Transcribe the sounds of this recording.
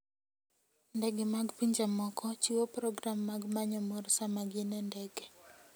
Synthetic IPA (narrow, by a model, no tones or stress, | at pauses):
ndɛɡɪmaɡpiɲd͡ʒamɔkɔt͡ʃiwopɾɔɡɾamːaɡmaɲɔmɔrsamaɡinɛndɛɡɛ